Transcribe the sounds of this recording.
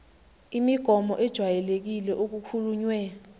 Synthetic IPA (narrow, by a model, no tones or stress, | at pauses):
imiɡ̥ʱɔmɔʔɛd̥ʒ̥ʱwajɛlek̬ilɛʔok̬ukʰuluɲwɛ